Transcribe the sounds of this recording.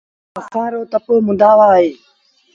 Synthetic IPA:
əxaːɾoːt̪əpoːmʊd̪aːʋaːɦeː

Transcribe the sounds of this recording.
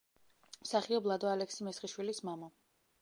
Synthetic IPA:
msaχiɔblˠad̪ɔalɛksimɛsχiʃwilismama

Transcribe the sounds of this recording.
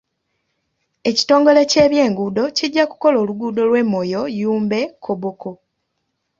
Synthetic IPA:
e̞ci̥to̞ːŋɡo̞le̞ce̞ːβje̞ːŋɡuːdo̞ciɟːaku̥ko̞lo̞ːluɡuːdo̞lwe̞mːo̞jo̞juːmbe̞kʰoβoko̞

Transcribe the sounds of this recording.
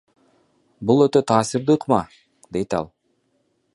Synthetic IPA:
bulˠøt̪ø̞t̪ʰɑːsɨɾd̪ɯqmɑ | d̪e̞jt̪ɑ̰lˠ

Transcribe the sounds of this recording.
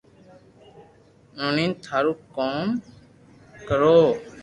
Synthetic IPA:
nɔ̃nint̪ʰaɾukːɔm | kəɾo

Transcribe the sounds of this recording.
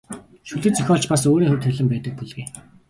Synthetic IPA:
ʃuɮɘ̆t͡sœxʲɔːɮt͡ɕpasoːɾiːxɵwt̪ʰɵɮɘ̆mpæːt̪ə̆k̚puɮɣeː

